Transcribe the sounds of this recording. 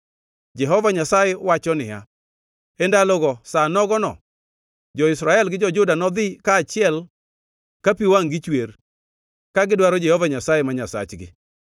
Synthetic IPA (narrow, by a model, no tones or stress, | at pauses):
d͡ʒɛɦɔvaɲasajewat͡ʃɔnɪja̰ | ɛndalɔɡɔsanɔɡɔnɔ̰ | d͡ʒɔɪsɾaɛlɡɪd͡ʒɔd͡ʒʊdanɔd̪ɪkaːt͡ʃɪɛl | kapiwaŋɡɪt͡ʃwer | kaɡɪdwaɾɔd͡ʒɛhovaɲasajɛmaɲasa̰t͡ʃɡɪ̰